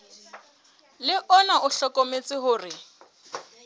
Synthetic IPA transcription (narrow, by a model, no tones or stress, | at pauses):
lɪʔɔnaʔʊɬɔkʼomet͡sʼɪɦʊːrɪ